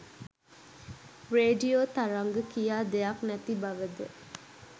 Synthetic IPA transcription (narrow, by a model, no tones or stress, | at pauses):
reːɖioːt̪aɾaŋɡəkijaːd̪ejaknæt̪ibaʋəd̪ə